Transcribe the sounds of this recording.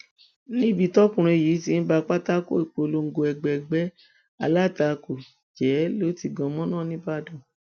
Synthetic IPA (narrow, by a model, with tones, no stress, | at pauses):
nĩ˦bi˧tɔ˦kũ˦˨ɾ̃ĩ˧˨ji˨˦ti˧˦n̩˦ba˧k͡pa˦ta˦ko˦i˨k͡po˧lo˧˦ŋ̩˦˧ɡo˧ɛ˨ɡ͡bɛɛ˧˨ɡ͡bɛ˦ | a̰˧la˦˨ta˧ko˨d͡ʒɛ˨˦lo˨˦ti˧ɡɔ̃˧mɔ̃˦nãː˦˨nĩ˦ba˦˨dɔ̃˨